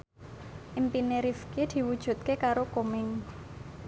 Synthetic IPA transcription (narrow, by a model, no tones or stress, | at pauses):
ʔimpineɾifkid̪̥i̤wud̥ʒ̥ṳt̪̚kekaɾokomɪŋ